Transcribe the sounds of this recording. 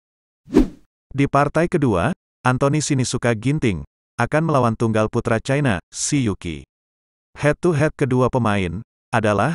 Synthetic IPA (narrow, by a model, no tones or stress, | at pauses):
dipart̪ajkədua̰ | ʔant̪onisinisukaɡint̪ɪŋ | ʔakanməlawant̪uŋɡalput̪ɾat͡ʃajnasijukḭ | hɛt̪ːuɦɛt̪̚kəduapəmaɪn | ʔadalah